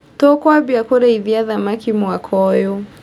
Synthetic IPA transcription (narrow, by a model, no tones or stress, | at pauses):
tɔkwabiakɔɾaiðiaðamakimwakʰɔjɔ